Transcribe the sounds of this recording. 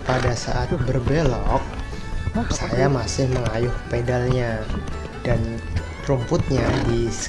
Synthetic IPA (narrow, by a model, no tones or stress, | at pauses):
padasa̰ʔat̪̚bərbelɔk̚ | sajamasɪhməŋajʊhpedalɲa | d̥an | pɾumpʊt̪̚ɲadis